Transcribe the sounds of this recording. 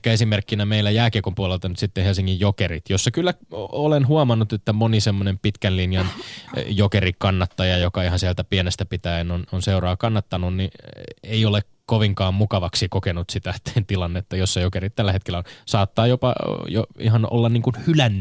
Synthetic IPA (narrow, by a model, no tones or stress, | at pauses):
kːæesimerkːinæmeilːæjæːkiekompuolelt̪ɑnyt̪sit̪ːehelsiŋːijjokerit̪josːɑkylːæolenɦuɑmɑnːut̪et̪ːæmonisemːonempit̪kænlinjɑnjokerikɑnːɑt̪ːɑjɑjokɑihɑnsielt̪æpienest̪æpit̪æenononseurɑːkɑnːɑt̪ːɑnunnieiolek | koʋiŋkɑːmmukɑʋɑksikokenut̪sit̪æt̪nt̪ilɑnːet̪ːæjosːɑjokerit̪t̪ælːæhet̪kelːæonsɑːt̪ːɑːjopɑ̰jo̰ḭɦɑno̰lːɑnniːŋkunhylænː